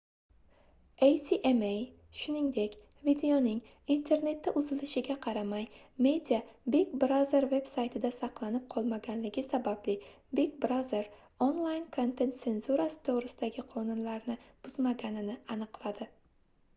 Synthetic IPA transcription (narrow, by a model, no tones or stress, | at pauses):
ejt̪ʰiʔemej | ʃʊnɪŋd̪e̞kʲ | vid̪e̞onɪŋ | int̪ʰe̞ɾne̞t̪ʰːaʔʊzɪlɪʃɪɡʲaqʰɑɾamaj | me̞d̪ijabeɡbɾaze̞ɾve̞bsajt̪ʰɪd̪asɑqlˠanɪp̚qʰɒlˠmaɡʲanlɪɡʲɪsabablɪ | bekbɾaze̞ɾ | onlˠajnkʰont̪ʰe̞nt̪se̞nzuɾasɪ̥t̪ʰoʁɾɪsɪd̪aɡʲɪqʰɒnʊnlaɾnɪb̥ʊzmaɡʲanɪnɪanɨqlˠad̪ɪ